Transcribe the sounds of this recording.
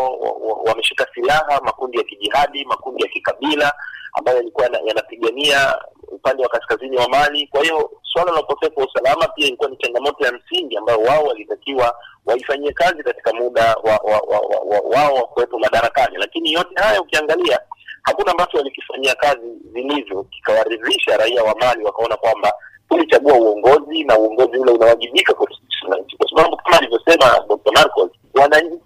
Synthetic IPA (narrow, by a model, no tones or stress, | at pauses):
wamɛʃikasilaɦamakundijakiʄihaɗimakundijakikaɓilaa̰mbajɔjalikuwajna̰janapiɠaniaupandɛwakaskaziniwamanikwahijɔswalalaukɔsɛfuwausalamapiailikuwanit͡ʃaŋɡamɔtɔjam̩siŋɡiambajɔwaɔwalitakiwawaifaɲiɛkazikati̥kamuɗawa̰wa̰wa̰wa̰wa̰waɔwakuwɛpɔmaɗaɾakanilakinijɔtɛhajaukiaŋɡaliahakunambatɔwalikifaɲiakazizilivjɔki̥kawaɾiðiʃaɾaiawamaliwakaɔnakwambatulit͡ʃaɠuauɔŋɡɔzinauɔŋɡɔziulɛunawaʄiɓikakwati̥sinaɲ̩t͡ʃi̥kwasaɓaɓukamaːlivjɔsɛma̰ɗɔk̚tamaɾkɔs | wanaɲ̩t͡ʃi